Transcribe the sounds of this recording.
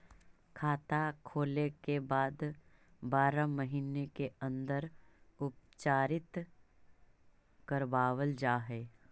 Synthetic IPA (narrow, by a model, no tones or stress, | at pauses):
kʰaːt̪akʰoːlekebaːd̪ | baːɾaməɦiːnekeə̃nd̪əɾʊp̚t͡ʃaːɾɪt̪ | kəɾbaːwəld͡ʒaːɦɛː